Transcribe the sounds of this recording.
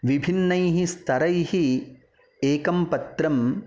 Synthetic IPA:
ʋibʱinːɐjɦist̪ʰɐɾɐjhi | eːkɐmpɐt̪ɾɐm

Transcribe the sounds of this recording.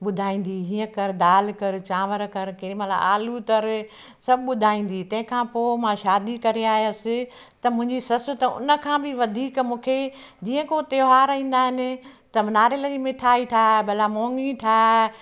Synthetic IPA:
ɓʊd̪ʱaːĩːn̆d̪iɦiːə̃kɐɾd̪aːlkɐɾt͡ɕãːʋəɾkɐɾkɪɾimɐt̪la̰ʔaːlut̪ɐɾ | sɐbʱɪɓʊd̪ʱaːĩːn̆d̪it̪ɐ̃ɦɪ̃kʰãːpoːmãʃaːd̪ikɐɾeaːɦjəsɪ | t̪ɐmʊ̃ɦɪ̃ɲd͡ʑisɐsʊt̪ɐʊ̰nə̆kʰãːbɪʋɐd̪ʱiːkmũːkʰed͡ʑiːə̃kot̪ɐoɦaːɾĩːn̆d̪aːɦɪnɪ̆t̪ɐnaːɾɪləd͡ʑiːmɪʈʰaːiʈʰaːbɐlamoːŋiʈʰaː

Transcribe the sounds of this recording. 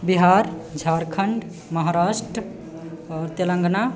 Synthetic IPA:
biɦaɾd͡ʒʱaɾkʰəɳɖ | məɦaɾasʈɾə | ɔɾt̪elə̃ŋɡna

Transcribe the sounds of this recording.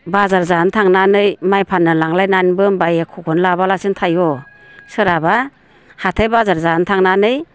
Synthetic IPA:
bazaɾzantʰaŋnanɯjmajpʰanːɯlaŋlajnanbɯmbajekʰɔkʰɔnlabalasɯntʰajɔ | sɯɾaba | hatʰajbazaɾzantʰaŋnanɯj

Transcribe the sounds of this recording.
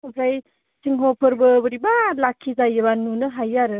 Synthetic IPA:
upʰɾaj | siŋɦopʰɯɾbɯbɯɾibalakʰːizajebanːunɯɦajaɾɯ

